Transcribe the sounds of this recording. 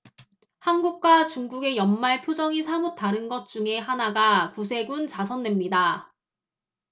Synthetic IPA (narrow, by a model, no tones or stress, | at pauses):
hanɡuk̚k͈wat͡ɕuŋɡuɡe̞jʌnmaɭpʰjod͡ʑʌŋisʰamut͈aɾɯnɡʌt̚t͡ɕ͈uŋe̞ɦanaɡakusʰe̞ɡunt͡ɕasʰʌndwe̞mɲida